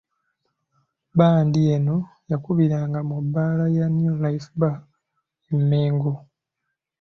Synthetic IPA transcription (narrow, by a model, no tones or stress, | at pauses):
baːndieno | jakuβiɾaːŋɡamubːaːlajanjulajfba | emːeːŋɡo